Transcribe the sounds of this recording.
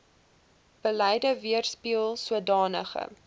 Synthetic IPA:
b̥əlɛjdəviərspiəlˠsuədɑːnə̰χə̰

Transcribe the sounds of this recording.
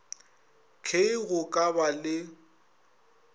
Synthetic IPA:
kʰeiɣʊkʼabalɪ

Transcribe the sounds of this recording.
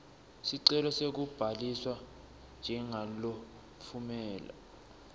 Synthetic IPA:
siǀɛlɔsek̬ub̥ʱaliswa | nd͡ʒʱɛŋalo | fʰumɛːla̰

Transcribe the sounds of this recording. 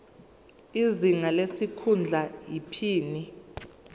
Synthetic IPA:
iziŋalesikʰund͡ɮʱajipʰiːni

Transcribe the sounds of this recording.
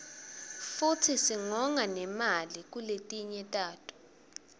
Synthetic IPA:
futʰisiŋɔŋanɛmalik̬ʼuletʼiɲɛtʼaːtʰʼu̥

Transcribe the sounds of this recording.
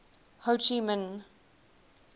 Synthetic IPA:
hot͡ʃimə̃n

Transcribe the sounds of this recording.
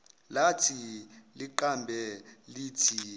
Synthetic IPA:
latʰiliǃambʱɛliːtʰi

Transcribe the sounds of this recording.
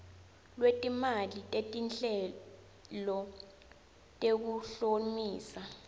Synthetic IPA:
lwetʼimalitʼetʼinɬɛ | lɔ | tʼek̬uɬomiːsa

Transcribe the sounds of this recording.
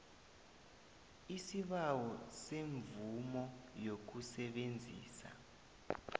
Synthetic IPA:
isiɓawɔseɱvumɔjok̬usɛɓend͡zʱḭːsa̰

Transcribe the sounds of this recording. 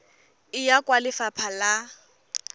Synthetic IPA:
ɪjakʼwalɪfapʰala

